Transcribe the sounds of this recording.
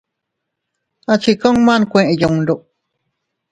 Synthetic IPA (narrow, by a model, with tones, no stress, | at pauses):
a˧t͡ʃi˧ko˦ŋmã˦nkʷẽ˧ʔẽ˧ju˧ŋɾu˧ʔ